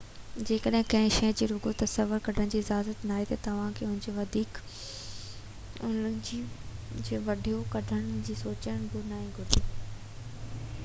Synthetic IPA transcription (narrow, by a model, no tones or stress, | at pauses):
d͡ʑeːkəɗɦɪ̃kɐ̃ɦɪ̃ʃɐ̃d͡ʑeːɾʊɡot̪ɐsəʋʊɾkɐɖʱəɽ̃̆d͡ʑiːzaːzət̪naːɦet̪ɐt̪ɐʋ̤ãkʰeːʊɦɪ̃ɲd͡ʑoʋɐd̪ʱiːk | ʊnəd͡ʑid͡ʑeːʋɐɖʱijokɐɖʱəɽ̃d͡ʑiːsoːt͡ɕəəɽ̃bʱʊnaːĩɡʱʊɾɪd̪i